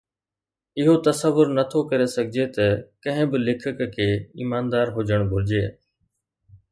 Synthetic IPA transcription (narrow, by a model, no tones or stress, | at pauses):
ɪɦot̪ɐsəʋːʊɾnət̪ʰokɐɾesɐɡʱɪd͡ʒet̪ɐkɐ̃ɦɪ̃bɪlɪkʰəkkʰeːiːmaːnd̪aːɾɦʊd͡ʒəɽ̃bʱʊɾɪd͡ʒeː